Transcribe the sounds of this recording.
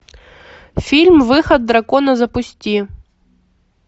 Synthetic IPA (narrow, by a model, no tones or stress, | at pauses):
fʲilʲmvɨxɐd̪̚ːɾakɔnɐzɐpʊsʲtʲi